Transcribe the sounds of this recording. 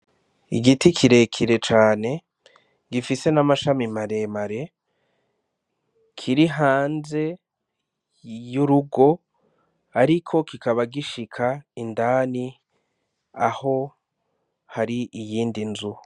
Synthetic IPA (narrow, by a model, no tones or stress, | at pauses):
iɡitikʰiɾe̞kʰiɾe̞t͡ʃaːne̞ | ɡifise̞namaʃamimaɾe̞maɾe̞ | kʰiɾiɦaːnze̞ | juɾuɡo̞ | aɾikʰo̞kikaβaɡiʃikʰaindaːni | aho̞ | haɾiʔijiːndinzu